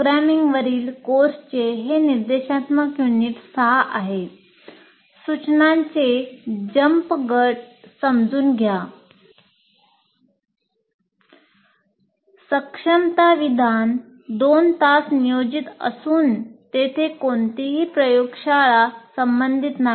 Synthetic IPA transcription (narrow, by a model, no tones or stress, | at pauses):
ɾæmiŋɡʋəɾiːlkoɾst͡ɕeɦeniɾd̪eɕat̪məkjuniːʈsəɦaʔaɦe | sut͡ɕnaɲt͡sed͡ʑəmpɡəʈsəmd͡zʱuːnɡʱja | səkʂəmt̪aʋid̪ʱan | d̪ont̪asnijod͡ʑit̪ə̰suːnt̪et̪ʰekoɳt̪iɦiːpɾəjoɡʂaɭasəmbənd̪ʱit̪na